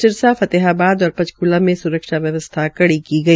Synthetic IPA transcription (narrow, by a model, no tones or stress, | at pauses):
ɪɾsafɐt̪eɦaːbaːd̪ɔːɾpɐt͡ʃkulamẽsʊɾəkʃaʋjɐʋəst̪ʰakɐɽikiɡɐiː